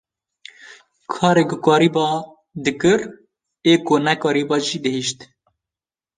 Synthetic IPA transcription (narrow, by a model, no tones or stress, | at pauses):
kʰɑːɾeɡʊkɑːɾibɑː | d̪ɨkɨɾ | eːkʊnɛkɑːɾibɑːʒiːd̪ɨhiːʃt̪